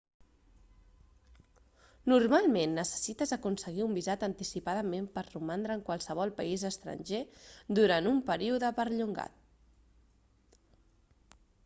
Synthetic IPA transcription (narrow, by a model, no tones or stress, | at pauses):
nuɾmalˠmenːəsə̥sit̪əzəkunsəɣ̞iumbizat̪ənt̪isipaðəmempəɾrumand̪ɾəːŋkwalˠsəβ̞ɔlˠpəizəst̪ɾə̰nʲʒed̪uɾanumpəɾiuðəpəɾʎuŋɡa̰t̪̚